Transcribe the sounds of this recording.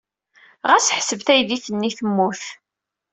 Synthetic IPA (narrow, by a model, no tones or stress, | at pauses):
ʁæsħsəvθæjðiθənːiθəmːuθ